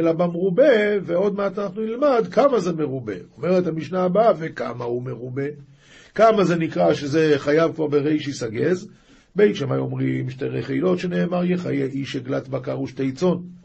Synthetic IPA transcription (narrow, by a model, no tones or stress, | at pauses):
elabamʁubeveo̞d̪̚meat̪anaχnunilmad̪kamazemeʁube̞̰o̞meʁethamiʃnaːbave̞ka̰mahumeʁube̞ | kamaze̞nikʁaʃeze̞χajavkvaʁbeʁeʃisaɡez | bejiʃema̰jo̞mʁimʃteʁeχeilo̞tʃene̞ːmaʁjeχa̰jeʔiʃeɡlatbakaʁuʃte̞it͡so̞n